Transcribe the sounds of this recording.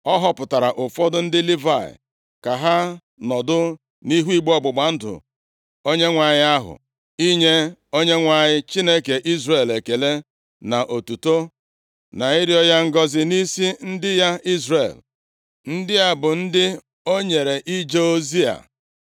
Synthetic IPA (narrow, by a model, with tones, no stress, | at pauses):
ɔ˦ɦɔ˦pʊ˨ta˨ɾa˨ʔʊ˨fɔ˦dʊ˦n̩˦dɪ˦li˦va̰˦˨ɪ̰˨ | ka˨ɦa˦ | nɔ˨dʊ˦ | ni˦ɦu˦i˦ɡ͡bɔ˦ɡ͡bʊ˨ɡ͡ba˨˦n̩˦dʊ̰˨ | o˦ɲe˦ŋʷa˨ɲɪ˦a˦ɦʊ̰˨ | i˦ɲe˦o˦ɲe˦ŋʷa˨ɲɪ˦t͡ʃi˦ne˦ke˨ʔi˦zre˨le˨ke˨le˦ | na˨ʔo˨tu˨to˦ | na˨i˦ɾi˦ɔ˦ja˦ŋ̩˦ɡɔ˦zɪ˦ni˦si˦n̩˦dɪ˦ja˦i˦zre˨l | n̩˦dɪ˦a˦bʊ˨n̩˦dɪ˦ | o˦ɲe˨ɾe˨ʔi˦d͡ʒe˦o˦zi˦a̰˨